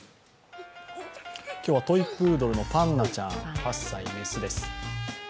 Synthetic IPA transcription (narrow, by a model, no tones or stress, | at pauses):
kʲo̞ːβat̪o̞ipːɯ̟ːd̪o̞ɾɯ̟no̞pãnːat͡ɕã̰ŋpasːaiɾisɨd̪e̞sɨ̥